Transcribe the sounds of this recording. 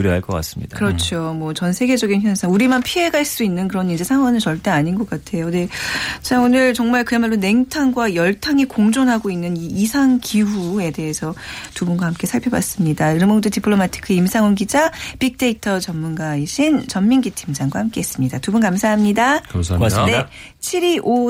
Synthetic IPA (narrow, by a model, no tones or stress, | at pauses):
uɾjʌaɭk͈ʌk͈a̰s͈ɯmɲidakɯɾʌt͡ɕʰomwʌt͡ɕʌnsʰe̞ɡe̞d͡ʑʌɡinçjʌnsʰʌuɾimanpʰie̞ɡaiɭs͈uinːɯnkɯɾʌnind͡ʑe̞sʰaŋwanɯnt͡ɕʌɭt͈e̞aɲinɡʌk͈atʰe̞jone̞t͡ɕaonɯɭt͡ɕʌŋmaɭkɯemaɭːone̞ŋtʰaŋɡwajʌɭtʰaŋikoŋd͡ʑonɦaɡoinːɯniːsʰaŋkiɸue̞de̞ɦesʰʌtubunɡwahamk͈e̞sʰaɭpʰjʌba̰s͈ɯmɲidaiɾʌnmondotipʰɯɭomatʰi̥kʰɯimsʰaŋonɡid͡ʑapik̚t͈e̞itʰʌt͡ɕʌmːunɡaiɕʰint͡ɕʌmmiŋɡitʰimd͡ʑaŋɡwahamk͈e̞ɦːs͈ɯmɲidatubunkamsʰaɦamɲida | ne | t͡ɕʰiɾiʔo